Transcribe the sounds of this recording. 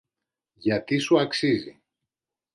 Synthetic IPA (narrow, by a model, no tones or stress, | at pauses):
ʝɐt̪isuɐksizḭ